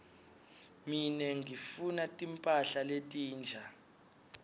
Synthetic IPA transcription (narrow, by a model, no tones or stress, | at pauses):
minɛŋifunatʼimpʼaɬaletʼiːnd͡ʒʱa